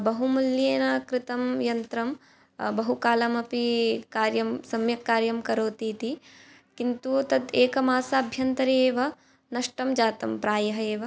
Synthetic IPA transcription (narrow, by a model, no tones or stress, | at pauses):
bɐɦumuljeːnɐkɾɪt̪ɐmjɐnt̪ɾɐm | bɐɦukaːlɐmɐpikaːɾjɐmsɐmjɐkːaːɾjɐmkɐɾoːt̪iːt̪i | kint̪ut̪ɐd̪eːkɐmaːsaːɐbʱjɐnt̪ɐɾeːʋɐ | nɐʂʈɐmd͡ʒaːt̪ɐmpɾaːjɐɦɐeːʋɐ